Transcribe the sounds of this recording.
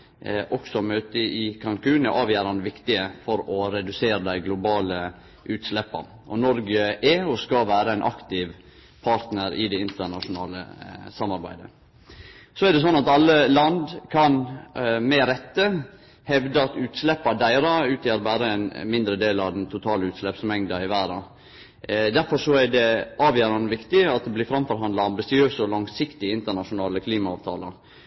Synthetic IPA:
ʔɔksɔmøːt̪əʔɪkʰɑŋkʰʉːnɛʔɑːʋjæːɾɑnd̪əʋɪkt̪ɪəfɔɾɔɾɛd̪ʉseːɾəd̪æɪɡlʊbɑːlə | ʔʉːt̪slɛpːɑ̰n | ʔɔnɔɾɡəʔɛɔskɑʋæːɾəænʔɑ̰kt̪ɪʋ | pʰɑɾt̪nəɾɪ̰d̪ɛɪnt̪ənɑʂʊnɑ̰ːlə̰sɑmɑɾbæ̰ɪd̪ə̰ | sɔæd̪ɛs̬ɔnːɑt̪ɑlːəlɑnd̪kʰɑnmɛɾɛt̪ːə | hɛʋd̪əɑt̪ʉːt̪slɛpːɑd̪æɪɾɑʉːt̪ʰjæɾbæːɾəɛnmɪnd̪ɾəd̪eːlɾɑʋd̪ɛnt̪ʰʊt̪ʰɑːləʉːt̪slɛpsmɛŋd̪ɑɪʋæːɾɑ | d̪æɾfɔʂɔæɖɛʔɑːʋjæːɾɑnʋɪkt̪ɪɑt̪̚d̪ɛblɪfɾɑmfɔɾɦɑnd̪lɑɑmbɪsɪøːsəɔlɑŋsɪkt̪ɪəɪnt̪əɳɑʂʊnɑːləkʰliːmɑɑːʋt̪ʰɑ̰ːləɾ

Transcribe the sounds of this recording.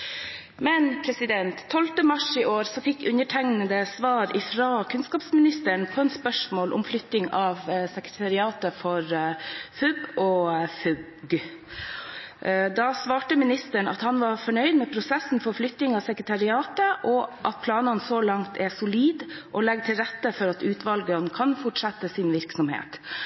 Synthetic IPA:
mɛnpʰɾɛsɪd̪ɛnt̪ʰːɔlt̪əmɑʂɪʔoːɾsɔfɪkːʉnəʈʰæŋnəd̪əsʋɑːɾɪfɾɑkʰʉnskɑːpsmɪnɪst̪əɳpʰɔɛnspœʂmoːlʔʊ̰mflʏt̪nɪŋɑːʋsɛkɾət̪ʰɑɾɪɑːt̪əfɔɾfʉbɔfʉ | ɡ | d̪ɑsʋɑːʈəmɪnɪst̪əɳɑ̰t̪hɑnʋɑɾfɔɳœʏd̪mɛːpʰɾʊsɛsn̩fɔɾflʏt̪nɪŋɑʋsɛkɾət̪ʰɑɾɪɑːt̪əʔɔʔɑt̪̚pʰlɑːnɑnsɔlɑŋt̪ʰɛsʊliːd̪ʔɔlɛɡ̚t̪ʰɪlɾɛt̪ːəfɔɾɑt̪ʉːt̪ʋɑlɡənkʰɑnfɔʈʂɑt̪ːəsɪnʋɪɾksɔmhḛːt̪

